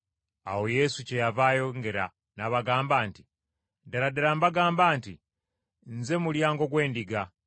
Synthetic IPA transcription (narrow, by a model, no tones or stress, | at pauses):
a̰wo̞je̞suce̞javajo̞ŋɡe̞ɾa | naβaɡaːmbaːnti | daladeɾambaɡaːmbaːnti | nze̞muljaːŋɡo̞ɡwe̞ːndiɡa